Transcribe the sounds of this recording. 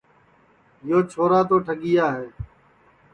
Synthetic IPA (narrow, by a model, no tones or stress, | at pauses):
joːt͡ʃʰoːɾaːt̪oːʈʰəɠɪjaːɦeː